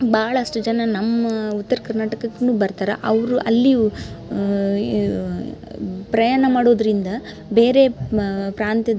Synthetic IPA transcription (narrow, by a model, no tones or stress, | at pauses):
baːɐɭɐʂʈud͡ʒɐnɐnɐmːɐut̪ːɐɾɐkɐɾnaːʈɐkɐɡnuːbɐɾt̪aːɾɐ̰ʔɐʋɾuʔɐlːi | pɾɐjaːnɐmaːɽo̞ːd̪ɾind̪ɐ | be̞ːɾe̞pɾaːnt̪jɐd̪